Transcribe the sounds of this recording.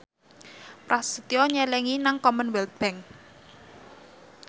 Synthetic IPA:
pɾasət̪iɔɲɛlɛŋinaŋkɔmənwɛlt̪̚b̥ɛŋ

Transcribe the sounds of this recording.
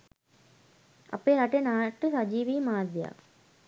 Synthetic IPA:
ɐ̰pːeːɾɐʈːenaːʈːɯsɐd͡ʒiːʋiːmaːd̪ʱja̰ː

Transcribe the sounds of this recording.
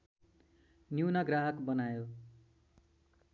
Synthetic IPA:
njiwnaɡraɦʌkbʌnajo

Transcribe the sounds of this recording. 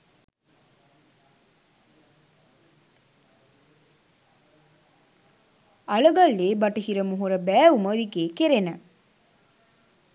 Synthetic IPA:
ɐlɐɡɐlːeːbɐʈɐhiɾɐmuɦuɾɐbæːuməd̪iɡeːkeɾenɐ

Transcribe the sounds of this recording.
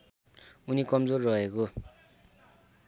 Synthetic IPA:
unikʌmd͡zorːʌɦeko

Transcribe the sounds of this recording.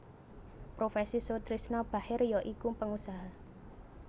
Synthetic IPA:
pɾofesisot̪ɾisnɔb̥a̤hɪrjɔʔikumpəŋusaɦa

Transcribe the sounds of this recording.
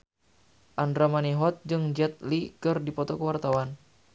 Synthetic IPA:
ʔandɾamaniɦɔt̪̚d͡ʒɨŋd͡ʒɛt̪̚likɨrdipɔt̪ɔkəwart̪awan

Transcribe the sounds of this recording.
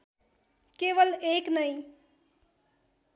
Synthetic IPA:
keʋəleknəj

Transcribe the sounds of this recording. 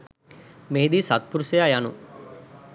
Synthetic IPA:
meɦid̪isat̪̚puɾusejajanṵ

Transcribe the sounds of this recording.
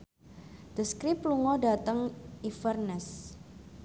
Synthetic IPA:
d̪̥əskɾipluŋɔdat̪əŋifərnɛs

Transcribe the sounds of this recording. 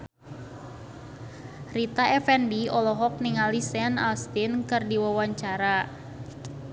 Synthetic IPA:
rit̪aʔɛfɛnbiɔlɔɦɔk̚niŋalisɛna̰lst̪inkɨrdiwawaɲt͡ʃaɾa

